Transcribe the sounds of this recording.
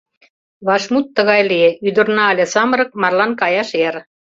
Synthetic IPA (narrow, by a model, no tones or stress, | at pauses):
βɑʃmut̪ːə̆ɣɑjlijeyd̪ə̆rnɑːlʲesɑməɾɤ̆k̚mɑrlɑnkɑjɑʃeɾ